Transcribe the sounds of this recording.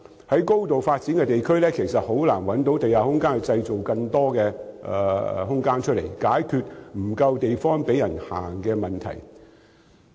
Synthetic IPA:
hɐ˨˥jko˥wt̪o˨wfaː˧t̚t͡si˨˥nkɛ˧t̪e˨jkʰɵ˥ɥlɛː˥kʰe˨˩jsɐ˨t̚ho˨˥wla̰ː˨˩nwɐ˨˥nt̪o˨˥wt̪e˨jaː˨hʊ˥ŋkaː˥nhɐ˨jt͡sɐ˧jt͡so˨wkɐ˧ŋt̪ɔː˥kɛː˧ɛ̰˨ɦʊ˥ŋkaː˥nt͡ʃʰɵ˥t̚lḛ˨˩jkaː˨˥jkʰyː˧t̚m̩˨˩kɐ˧wt̪e˨jfɔː˥ŋpe˨˥jɐ˨˩nha̰ː˨˩ŋkɛː˧mɐ˨nt̪ʰɐ̰˨˩j

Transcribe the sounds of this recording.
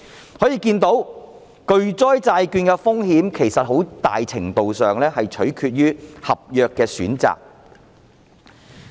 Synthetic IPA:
hɔː˨˥jiː˨˧kiː˧nt̪o˨˥w | kɵ˧ɥt͡sɔː˥jt͡saː˧jkyː˧nkɛ˧fʊ˥ŋhiː˨˥mkʰe˨˩jsɐ˨t̚ɦo˨˥wt̪a̰ː˨jt͡sʰɪ˨˩ŋt̪o˨wsœː˨ŋlɛː˥hɐ˨jt͡ʃʰɵ˨˥ɥkʰyː˧t̚jyː˥hɐ˨p̚jœː˨kːɛː˧syː˨˥nt͡sa̰ː˨k̚

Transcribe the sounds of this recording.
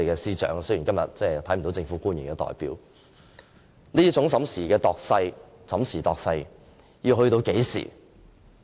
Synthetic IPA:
e˨jkɛː˧siː˥t͡ʃœ̰ː˨˥ŋsɵ˥ɥji˨˩ŋkɐ˥mjɐ̰˨t̚t͡sɛː˧˩t̪ʰɐ˨˥jm̩˨˩t̪wt͡sɪ˧ŋfu˨˥kuː˥njyː˨˩nkɛː˧t̪ɔ̰ː˨jpḭː˨˥w | niː˥t͡sʊ˨˥ŋsɐ˨˥msiː˨˩kɛː˧t̪ɔː˨k̚sɐ˧j | sɐ˨˥msiː˨˩t̪ɔː˨k̚sɐ˧j | jiː˧wɦɵ˧ɥt̪o˧wke˨˥jsḭː˨˩

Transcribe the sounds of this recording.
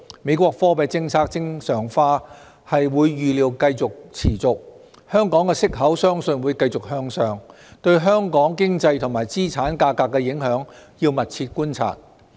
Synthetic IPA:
me˨˧jkʷɔː˧k̚fɔː˥pɐ˨˧jt͡sɪ˧ŋt͡sʰaː˧k̚t͡sɪ˥ŋsœː˨˩ŋfaː˧˥ | hɐ˨jwuː˨˧jːyː˨liː˨˧wkɐ˧jt͡sʊ˨k̚t͡sʰiː˨˩t͡sʊ˨k̚ | hœː˥ŋkɔː˨˥ŋkɛː˧sɪ˥k̚ɦɐ˨˥wsœː˥ŋsɵ˧nwuː˨˧jkɐ˧jt͡sʊ˨k̚hœː˧ŋsœː˨ŋ | t̪ɵ˧ɥɦœː˥ŋkɔː˨˥ŋkɪ˥ŋt͡sɐ˧jt̪ʰʊ˨˩ŋmaː˨˩jt͡siː˥t͡sʰaː˨˥nkaː˧kːaː˧kːɛ˧jɪ˨˥ŋɦœː˨˥ŋjiː˧wmɐ˨t̚t͡sʰiː˧t̚kuː˥nt͡sʰa̰ː˧˩t̚

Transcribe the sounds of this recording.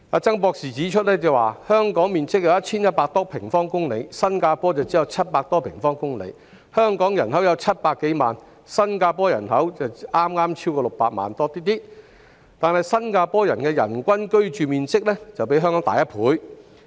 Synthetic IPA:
aː˨˧t͡sɐ˥ŋpɔː˧k̚siː˨˩t͡siː˨˥t͡ʃʰɵ˥t̚lɛː˥t͡sɐ˨waː˨hœː˥ŋkɔː˨˥ŋmiː˨nt͡sɪ˥k̚jɐ˨˧wjɐ˥t̚t͡sʰiː˥njɐ˥t̚paː˧k̚t̪ɔː˥pʰɪ˨˩ŋfɔː˥ŋkʊ˥ŋle˨˧˥jsɐ˥nkaː˧pɔː˥t͡sɐ˨wt͡siː˨˥jɐ˨˧wt͡sʰɐ˥t̚paː˧k̚t̪ɔː˥pʰɪ˨˩ŋfɔː˥ŋkʊ˥ŋlḛ˨˥j | hœː˥ŋkɔː˨˥ŋjɐ˨˩nɦɐ˨˥wjɐ˨˧wt͡sʰɐ˥t̚paː˧kːe˨˥jmaː˨n | sɐ˥nkaː˧pɔː˥jɐ̰˨˩nɦɐ˨˥wt͡sɐ˨wʔaː˥mŋaː˥mt͡sʰiː˥wkɔː˧lʊ˨k̚paː˧k̚ma̰ː˨nt̪ɔː˥t̪iː˥t̪iː˥ | t̪aː˨˩nhɐ˨jsɐ˥nkaː˧pɔː˥jɐ˨˩nkɛː˧jɐ̰˨˩nkʷɐ˥nkɵ˥ɥt͡ʃyː˨miː˨nt͡sɪ˥k̚lɛː˥t͡sɐ˨wpe˨˥jɦœː˥ŋkɔ˨˥ŋt̪a̰ː˨jɐ˥t̚pʰuː˨˥j

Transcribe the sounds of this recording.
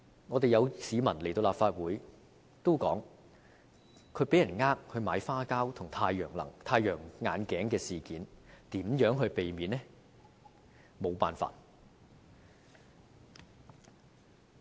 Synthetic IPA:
ŋɔː˨˧t̪e˨jɐ˨˧wsiː˨˧˥mɐ˨˩nle˨˩jt̪o˧wlaː˨pfaː˧t̚wuː˨˥j | t̪o˥wkɔː˨˥ŋ | kʰɵ˨˧˥ɥpe˨˥jɐ˨˩nŋaː˥k̚hɵ˧maː˨˧˥jfaː˥kaː˥wt̪ʰʊ˨˩ŋt̪ʰaː˧jœː˨˩ŋlɐ̰˨˩ŋt̪ʰaː˧jœː˨˩ŋŋaː˨˧nkɛː˨˥ŋkɛː˧siː˨kiː˨˥nt̪iː˨˥mjœː˨˥ŋɦɵ˧ɥpe˨jmiː˨˥nːɛ˥ | mo˨˧wpa̰ː˨nfa̰ː˧t̚

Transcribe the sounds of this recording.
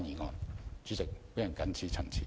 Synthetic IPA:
jiː˨˩ŋɔː˨˧nt͡ʃy˨˥t͡sɪ˨k̚pe˨˥jɐ˨˩nkɐ˨˥nt͡sʰiː˨˥t͡sʰɐ˨˩ŋt͡sʰḭː˨˦

